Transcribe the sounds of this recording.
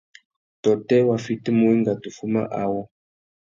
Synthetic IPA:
tɔ˨tɛ˦wa˨fi˦ti˦mu˨˦i˦ŋɡa˨tu˨fu˦ma̰˦ʔa˨wɔ˦

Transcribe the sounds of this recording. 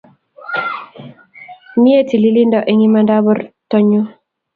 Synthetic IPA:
mi˦e˦ti˨li˦li˦ndɔ˦ʔe˦ŋi˦ma˦nda˦bɔ˦ɾtɔ˦ɲo˦

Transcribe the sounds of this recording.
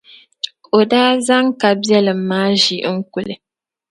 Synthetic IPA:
o˨daː˦za˦ŋka˨bjɛ˦lɨ˨m̩ː˦aː˦ʒi˨˦ŋ̩˦ku˨lɨ̰˨

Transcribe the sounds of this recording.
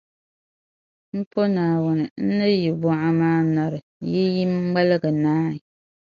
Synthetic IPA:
m̩˦po˦naː˨wʊ˦nɨ˨n̩˦nɨ˦ji˨bʊ˦ʔa˦maː˦na˨ɾɨ˨ji˦ji˦m˦ŋ͡ma˦lɨ˦ɡɨ˨naː˦i˨

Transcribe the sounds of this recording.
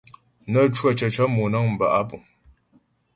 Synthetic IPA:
nə˦˨t͡ʃwa˦˨t͡ʃə˨t͡ʃə˦mu˨nə˦ŋm̩˨ba̰˨ʔa˦pu˨

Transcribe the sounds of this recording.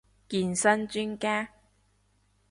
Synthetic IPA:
kiː˧nsɐ˥nt͡ʃyː˥nkaː˥

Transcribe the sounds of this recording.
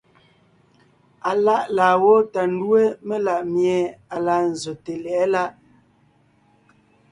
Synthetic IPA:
a˨la˦ʔlaː˨wɔ˦ta˨n̩˦dwe˦me˦la˨ʔmjɛ˨a˨la˨n̩˨zo˨te˨lɛ˨˦la˦ʔ

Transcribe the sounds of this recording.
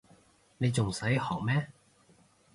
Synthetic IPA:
ne˨˧jt͡sʊ˨ŋsɐ˨˥jhɔː˨˩k̚mɛː˥

